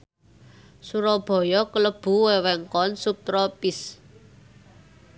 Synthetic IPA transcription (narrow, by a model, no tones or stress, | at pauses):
suɾɔb̥ɔ̤jɔkələb̥ṳwewɛŋkɔnsup̚t̪ɾɔpɪs